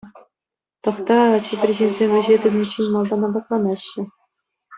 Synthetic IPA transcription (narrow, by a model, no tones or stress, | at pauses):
t̪ɤ̆χt̪ɑt͡ɕɘ̆pʲrʲeʑenʲzʲemʲʋʲɘ̆ʑet̪ud̪ʲit͡ɕːinʲmɑlˠd̪ɑnɑd̪ɑklˠɑnɑɕːɘ̆